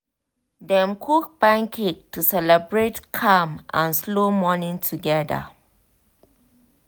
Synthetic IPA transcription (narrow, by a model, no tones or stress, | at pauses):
dɛ̃mkʰuk̚bãŋkʰik̚tusɛlɛbɹetkʰãmʔãnslomɔnĩŋtʰuɡɛdə̰